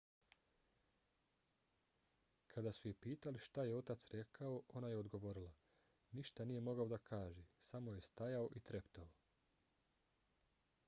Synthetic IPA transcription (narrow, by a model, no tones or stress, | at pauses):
kʰad̪asuje̞piːt̪aliʃt̪aje̞o̞t̪at̪sɾe̞kʰao̞ʔonajeod̪ɡo̞ʋo̞ɾila | niʃt̪anijemo̞ɡao̞d̪akʰaːʒesamo̞je̞st̪ajao̞ʔit̪ɾe̞pt̪ao